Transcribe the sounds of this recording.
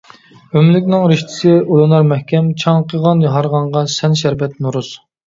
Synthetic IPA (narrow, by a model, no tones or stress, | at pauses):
ømlɪkʲnɪŋɾɪʃt̪ʰɪ̥sɪulˠunɑɾmɛhkʲʰɛmt͡ʃʰɑŋqʰəʁɑnjɑɦɑɾʁɑɴʁɑsɛnʃ̬æɾbɛt̪nuɾus